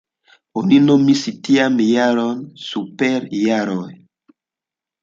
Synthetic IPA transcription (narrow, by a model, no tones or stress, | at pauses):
oninomisitiamijaɾɔnsupɛɾjaɾɔj